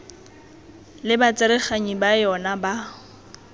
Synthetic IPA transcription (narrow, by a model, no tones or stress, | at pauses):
lɪbat͡sʼɪɾɪχaɲibajɔnaba